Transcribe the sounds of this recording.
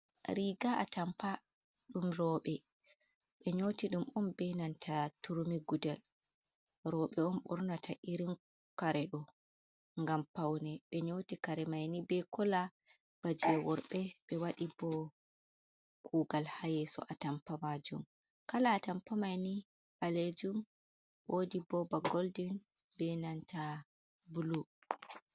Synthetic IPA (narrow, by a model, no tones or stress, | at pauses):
ɾiɡaʔa̰tampa | ɗumɾɔːɓɛ | ɓɛɲoːtiɗumɔmbɛnantʰatuɾumiɡudɛl | ɾɔːɓɛɔmɓɔɾnatʰaʔiɾin | kaɾɛɗɔ | ŋɡampawnɛɓɛɲotikaɾɛmajnibɛkɔla | b̥ad͡ʒɛwɔɾɓɛɓɛwaɗibɔ | kʰuːɡalhajɛsɔ̰ʔatampamad͡ʒum | kalaːtampamajni | ʔaled͡ʒum | wʔodibɔbaɡoldinbɛnantʰa | bulu